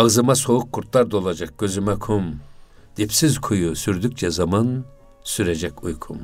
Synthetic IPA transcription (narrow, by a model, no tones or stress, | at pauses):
azɯmasouk̚ːuɾt̪lˠaɾd̪o̞lˠad͡ʒak̚ɟ̥ø̞zymɛkʰum | d̪̥ipsizkʰujusyɾd̪yk̚t͡ʃʰɛzaman | syɾɛd͡ʒɛkujkʰum